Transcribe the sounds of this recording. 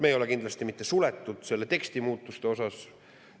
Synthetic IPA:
mejo̞lekind̪lɑst̪imit̪ːe̞sulet̪ːˑud̪̥se̞lːe̞t̪e̞kst̪imuːt̪ˑːust̪e̞o̞sɑs

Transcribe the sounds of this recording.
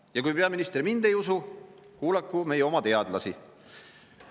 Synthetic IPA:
jɑkujpe̞ɑminist̪rimind̪e̞jusukuːlɑkːˑume̞jeo̞mɑt̪e̞ɑd̪lɑsi

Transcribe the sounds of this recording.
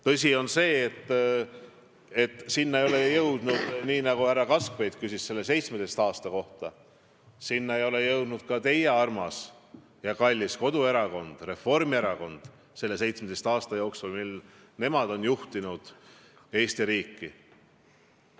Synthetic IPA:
t̪ɤs̬ʲio̞nse̞ːt̪ː | e̞t̪ːˑsinːɑejo̞le̞jɤwd̪̥nud̪̥niːnɑɡuhærːɑkɑskve̞jd̪̥kysʲisse̞lːe̞se̞jt̪smed̪est̪ɑːst̪ɑko̞ht̪ɑ | sinːɑe̞jo̞le̞jɤwd̪̥nud̪̥̚kɑt̪e̞jeɑrmɑs | jɑkɑlʲːisko̞d̪̥ue̞ɾɑko̞nd̪̥re̞fo̞rmieɾɑko̞nd̪̥ | se̞lːe̞s̬e̞jt̪smed̪est̪ɑːst̪ɑjo̞ːksulmil | ne̞mɑd̪̥o̞njuht̪inud̪̥ | e̞ːst̪iɾiːkːi

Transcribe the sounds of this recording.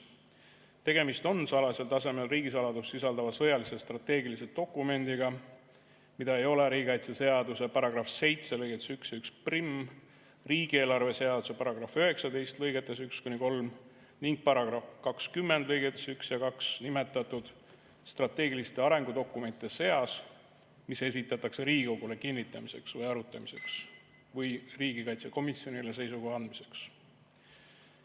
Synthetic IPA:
t̪e̞ɡ̥e̞mist̪o̞nsɑlɑselt̪ɑse̞me̞lriːɡisɑlɑd̪usːisɑld̪ɑvɑsɤ̞jɑlise̞st̪rɑt̪ːe̞ːɡilise̞d̪̥̚o̞kːˑume̞nd̪̥iɡ̥ɑ | mid̪̥ɑe̞jo̞le̞ɾiːɡiɑjt̪sese̞ɑd̪use̞pɑɾɑɡ̥rɑfse̞jt̪se̞lɤjɡet̪ːˑesyksjɑyksprim | riːɡ̥ie̞ːlɑrve̞se̞ɑd̪̥use̞pɑɾɑɡ̥ɾɑføɦe̞ksɑd̪e̞jst̪lɤjɡ̥e̞t̪ːˑe̞sykskunʲiko̞lm | niŋɡ̥̚pɑɾɑɡ̥rɑfkɑkskymːend̪lɤjɡet̪ːˑe̥syksjɑkɑksnime̞t̪ːˑɑt̪ːˑud̪̥ | st̪rɑt̪ːˑe̞ːɡilist̪e̞ɑɾe̞ŋɡ̥ud̪o̞kːˑume̞nt̪ˑːese̞ɑs | mise̞s̬it̪ːˑɑt̪ːˑɑkse̞ɾiːɡiko̞ɡ̥ule̞kinʲːit̪ːˑɑmise̞ksvɤjɑɾut̪ːˑɑmise̞ks | vɤjriːɡikɑjt̪seko̞misjo̞niles̬e̞jsuɡohɑnd̪̚mise̞̥ks

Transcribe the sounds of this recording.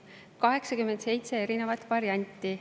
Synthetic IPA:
kɑɦe̞ksɑkymed̪̥se̞jt̪se̞e̞ɾine̞vɑt̪ːˑvɑɾjɑnʲt̪ːˑi

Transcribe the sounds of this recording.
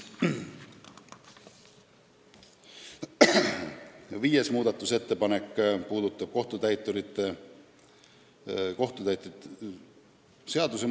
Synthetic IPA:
viːjesmuːd̪ɑt̪ːˑuse̞t̪ːe̞pɑnekːpuːd̪ut̪ːˑɑb̥̚ko̞ht̪ut̪æjt̪ːˑuɾit̪ːe | ko̞ht̪ut̪æjt̪ːˑut̪ | se̞ɑd̪use

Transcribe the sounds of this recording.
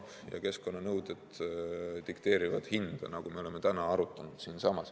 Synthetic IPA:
jɑ̰ke̞sko̞nːɑnɤwd̪̥ed̪ | t̪ikt̪e̞ːɾivɑd̪̥hind̪̥ɑ̰nɑɡ̥ume̞o̞le̞me̞t̪ænɑɑɾut̪ˑːɑnud̪̥siːnsɑmɑs

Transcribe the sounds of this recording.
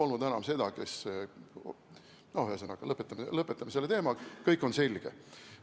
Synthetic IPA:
o̞lnud̪enɑmse̞d̪̥ɑke̞s | nohyhesenɑkːɑlɤpːˑet̪ːˑɑmelɤpːˑet̪ːˑɑmese̞lːe̞t̪e̞ːmɑkɤjkːˑo̞nse̞lʲɡ̥e̞

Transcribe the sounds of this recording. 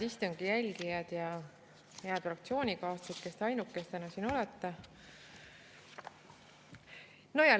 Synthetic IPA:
ist̪oŋɡ̥ijælʲɡijɑd̪̥jɑ | jæːb̪̥frɑk̚t̪sio̞ːnʲikɑːst̪set̪ke̞st̪ɑjnukːˑest̪ænɑsino̞let̪ːˑɑ | no̞jɑ

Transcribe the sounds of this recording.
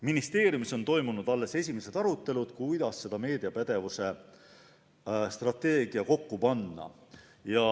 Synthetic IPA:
minist̪e̞ːɾjumiso̞nt̪o̞jmunud̪̥ɑlːe̞se̞sʲime̞se̞t̪ɑɾut̪ˑːe̞lud̪̥kujd̪̥ɑsːe̞d̪̥ɑme̞ːd̪iɑpæd̪̥e̞vuse̞ | st̪rɑt̪ːˑe̞ːɡ̥iɑko̞kːupɑnːɑ̰ | jɑ

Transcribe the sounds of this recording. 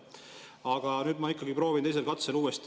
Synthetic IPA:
ɑɡ̥ɑnyːd̪mɑikːˑɑɡipɾo̞ːvint̪e̞js̬e̞lkɑt̪seluːest̪

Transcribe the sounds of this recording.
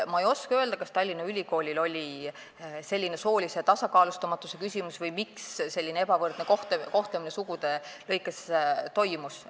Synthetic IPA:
mɑejo̞skøe̞ld̪ɑkɑst̪ɑlʲːinɑylʲiko̞ːlʲilo̞lʲi | se̞lʲːine̞so̞ːlʲise̞t̪ɑsɑkɑːlust̪ɑmɑt̪ːˑuse̞kysʲimusvɤjmiksse̞lʲːineeb̥ɑvɤrd̪̥nekoht̪ko̞ht̪leminesuɡud̪e̞lɤ̞jkːˑest̪o̞jmus

